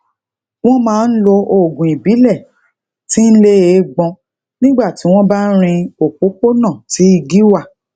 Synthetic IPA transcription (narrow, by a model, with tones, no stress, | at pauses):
w̃ɔ̃˦mãː˨˦n̩˦lo˧o˨ɡũ˨i˨bi˨˦lɛ˦˨ | ti˦n̩˦le˦e˨˦ɡ͡bɔ̃˧ | nĩ˦ɡ͡ba˦˨ti˨˦w̃ɔ̃˦ba˦n̩˦ɾ̃ĩ˧o˨k͡po˨˦ko˦nã˦˨ti˨˦i˧ɡi˦wa˦˨